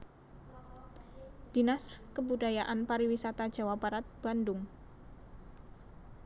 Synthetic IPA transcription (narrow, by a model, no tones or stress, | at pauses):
d̥inaskəbudajaʔanpaɾiwisat̪ḁd͡ʒawab̥aɾat̪̚b̥andʊŋ